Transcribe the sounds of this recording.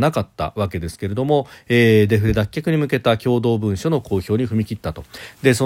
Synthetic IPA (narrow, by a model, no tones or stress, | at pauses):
nakat̪ːa̰βake̞d̪e̞sɨ̥ke̞ɾe̞d̪o̞mo̞eːd̪e̞ɸɯ̟ɾed̪akʲːakɯ̟ɲ̟imɯ̟ke̞t̪akʲo̞ːd̪o̞ːbɯ̟̃ɰ̃ɕo̞no̞ko̞ːço̞ːɲ̟iɸɯ̟mʲikʲit̪ːat̪o̞d̪e̞so